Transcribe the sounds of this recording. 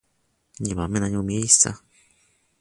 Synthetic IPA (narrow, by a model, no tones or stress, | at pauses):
ɲemamẽnãɲõmieisa̰